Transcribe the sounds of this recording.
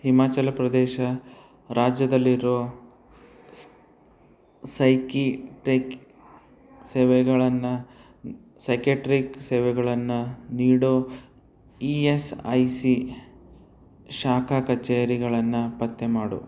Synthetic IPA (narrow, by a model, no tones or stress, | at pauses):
himaːt͡ʃɐlɐpɾɐd̪ɛːʃɐ | ɾaːd͡ʒjɐd̪ɐlːiɾoː | sɐjkiʈek | seːʋɛɡɐɭɐnːɐ | sɐjkjɐʈɾikseːʋɛɡɐɭɐnːuniːɽoː | iesɐjsi | ʃaːkʰakɐt͡ʃːeːjɐɾiɡɐɭɐnːɐpɐt̪ːemaːɽṵ